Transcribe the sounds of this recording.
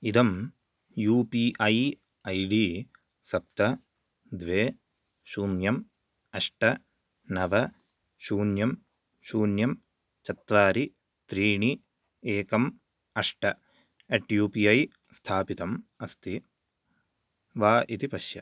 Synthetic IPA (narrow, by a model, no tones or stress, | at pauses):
id̪ɐm | juːpiːʔɐj | ɐjɖiː | sɐp̚t̪ɐ | d̪ʋeː | ʃuːnjɐm | ɐʂʈɐ | nɐʋɐ | ʃuːnjɐm | ʃuːnjɐm | t͡ʃɐt̪ʋaːɾi | t̪ɾiːɳi | eːkɐm | ɐʂʈɐ | eʈjuːpiːɐj | st̪ʰaːpit̪ɐmɐst̪ʰi | ʋaːʔit̪ipɐʃjɐ